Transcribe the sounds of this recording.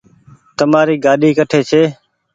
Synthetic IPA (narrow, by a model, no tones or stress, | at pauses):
t̪əmaːɾiːɡaːɗʱiːkəʈʰeːt͡ʃʰeː